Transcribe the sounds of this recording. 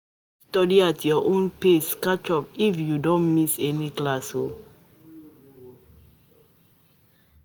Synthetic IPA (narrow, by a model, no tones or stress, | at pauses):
stɔdiatʰjɔʔõnpeskat͡ʃɔpifjudɔ̃nmisɛniklasho